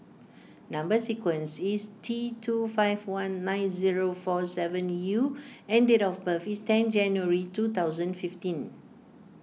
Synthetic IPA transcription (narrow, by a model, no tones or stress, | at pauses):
nãmbəsikwə̃nsistʰitʰufajvwãnːãj̃nziɹofɔsɛvə̃njuɛ̃ndetɔfbəfistɛ̃nd͡ʒɛ̃njuəɹitut̪awzə̃nfiftĩn